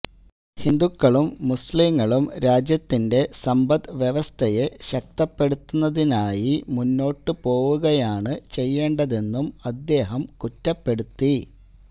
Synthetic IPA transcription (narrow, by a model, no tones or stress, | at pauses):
hind̪ukːɐɭumːusliŋːɐɭumɾaːd͡ʑjɐt̪ːinde̞sɐmbɐd̪ʋjeʋɐst̪ʰɐjeɕɐk̚t̪ɐpːe̞ɽut̪ːunːɐðinaːjimunːo̞ːʈːɨpo̞ːɣuɣɐjaːɳɨt͡ɕe̞jːe̞ːɳɖɐðe̞nːumɐd̪ːe̞ːɦɐmkutːɐpːe̞ɽut̪ːi